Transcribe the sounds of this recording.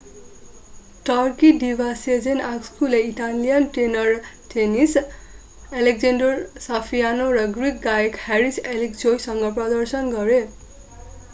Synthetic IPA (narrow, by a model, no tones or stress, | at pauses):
ʈʌrkiɖibʱased͡zenakskuleiʈalijanʈenʌrʈʰenis | elek̚d͡zenɖorsapʰijanorʌɡrik̚ɡajekheɾiselikd͡zojsʌŋɡʌprʌd̪ʌrsʌnɡʌɾe